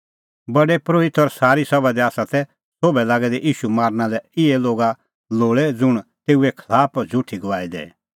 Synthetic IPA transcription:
bɐɖɛpɾoːɪt̪ɔɾsaːɾisɐbad̪ɛaːsat̪ɛ | soːbɛlaːɡɛd̪ɛʔiːʃumaːɾnalɛɪɛloːɡa | loːɭɛd͡zʊɽ̃t̪eːuekʰlaːpd͡zʱʊʈʰːiɡɐʋaːid̪ḛː

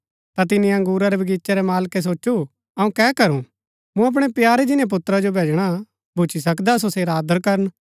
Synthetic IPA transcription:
t̪at̪ɪnĩɐ̃ŋɡuːɾaɾɛbʱɐɡiːtːt͡ʃaɾɛmaːlkes̬oːʃu | ɐũkɛːkɐɾũ | mũɐp̬ɽ̃ɛpjaːɾed͡ʒɪnẽp̬ʊt̪ːɾad͡ʒobʱeːd͡ʒɽ̃a | bʱʊt͡ʃʰisɐkd̪asoseːɾaːd̪əɾkɐɾən

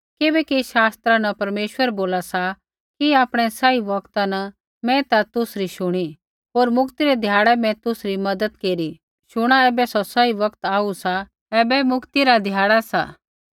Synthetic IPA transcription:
kɪbɛkiʃaːst̪ɾanɐpɐɾmeːʃwəɾboːlasa | kiaːpɽ̃ɛsaiʋɐkt̪anɐ | mɛ̃t̪at̪ʊsɾiʃʊɽ̃i | ɦoːɾmʊkt̪iɾɛd̪ʱjaːɽɛmɛ̃t̪ʊsɾimɐd̪əd̪keːɾi | ʃʊɽ̃aɛːbɛsɔsaiʋɐkt̪aːusa | ɛːbɛmʊkt̪iɾad̪ʱjaːɽasa̰ː

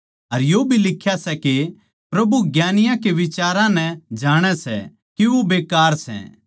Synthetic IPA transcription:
ɐɾjoːbʱilɪkʰːjasɛke | pɾɐbuɡjaːnɪjãkeʋɪt͡ʃaːɾãnɛd͡ʒaːɽ̃ɛsɛ̰ | kiʋobeːkaːɾsɛ̰

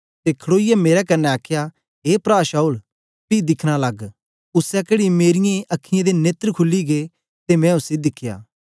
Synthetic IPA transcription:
t̪ekʰɽoːɪjameːɾɛkɐnːɛaːkʰja | ɦeːpɾaːʃaːul | pid̪ɪkʰɽ̃alɐɡ | ʊsɛkeːɽimeːɾɪjẽʔɐkʰːɪjẽd̪eneːt̪ɾkʰʊlːiɡe | t̪emɛ̃ʊsid̪ɪkʰːja̰ː

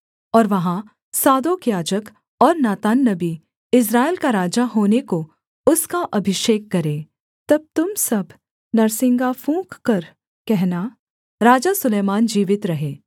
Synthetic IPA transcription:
ɔːɾʋɐɦã | saːd̪oːkjaːd͡ʒək | ɔːɾnaːt̪aːnːɐbi | ɪs̬ɾaːelkaɾaːd͡ʒaɦoːneko | ʊskaʔɐbʱɪʃeːkːɐɾẽː | t̪ɐb̚t̪ʊmsɐb | nɐɾsɪ̃ŋɡafʰũːkkɐɾ | kɛɦna | ɾaːd͡ʒasʊleːmaːnd͡ʒiːʋɪt̪ɾɐɦeː

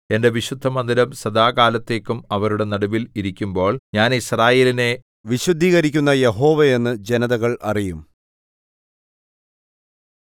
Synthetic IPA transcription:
e̞nde̞ʋiɕud̪ʱːɐmɐnd̪iɾɐmsɐd̪aːɡaːlɐt̪ːe̞ːkːumɐʋɐɾuɽe̞nɐɽɐbiliɾikʲːumbo̞ːɭɲaːnisraːjeːline̞ | ʋiɕud̪ʱːiːɣɐɾikʲːunːɐjeɦo̞ːʋejenːɨd͡ʑe̞nɐðɐɣɐɭʔɐ̰rijum

